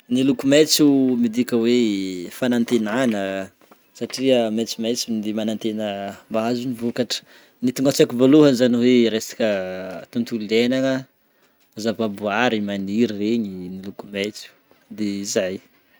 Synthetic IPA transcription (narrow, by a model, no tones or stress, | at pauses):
nilukumet͡sumid̪ikʲəwefanant̪enanə | saʈ͡ʂiəmet͡simet͡simid̪imanant̪enəmbaazunivukaʈ͡ʂə̥ | nit̪uŋɡat͡sakivoluɦənizaniweɾesḁkʲət̪unt̪ulenaŋə | azababuaɾimaniɾiɾeɲinilukumet͡su̥ | d̪eizaj